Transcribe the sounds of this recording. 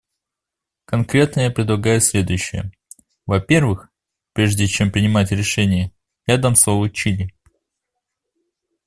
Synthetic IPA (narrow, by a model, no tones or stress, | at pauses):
kɐnkɾʲe̞t̪nəjapɾʲɪd̪lˠɐɡajʊsʲlʲe̞d̪ʊjʉɕːɪjə̰ | vɐpʲe̞rvɨx | pɾʲe̞ʐdʲɪt͡ɕe̞mpɾʲɪnʲɪmatʲɾʲɪʂɛnʲɪjə | ɾʲad̪əmslˠovət͡ɕilʲɪ